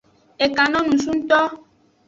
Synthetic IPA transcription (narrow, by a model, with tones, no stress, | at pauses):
e˨ka˨nɔ̃˦nũ˨sũ˦n̩˦t̪ɔ˦